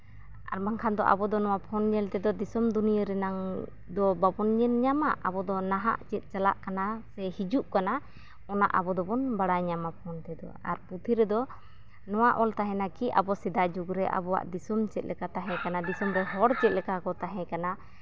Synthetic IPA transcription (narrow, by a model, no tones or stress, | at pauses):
a̰ɾbaŋkʰand̪ɔ̰ʔa̰bɔd̪ɔnɔwapʰɔnɲɛlt̪ɛd̪ɔd̪isɔmd̪unijəɾɛnaŋ | d̪ɔbabɔnɲɛnɲamaʔa̰bɔd̪ɔnaɦa̰ʔt͡ʃɛt̪̚ˀt͡ʃala̰ʔkanasɛhid͡ʒuʔkana | ɔna̰ʔabɔd̪ɔbɔnbaɽaɲamapʰɔnt̪ɛd̪ɔ̰aɾput̪ʰiɾɛd̪ɔ | nɔwaʔɔlt̪aɦɛ̃nakiʔa̰bɔsɛd̪ad͡ʒuɡɾɛʔa̰bɔwa̰ʔd̪isɔmt͡ʃɛt̪̚lɛkat̪aɦɛ̃kanad̪isɔmɾɛɦɔɽt͡ʃɛt̪̚lɛkakɔt̪aɦɛ̃kana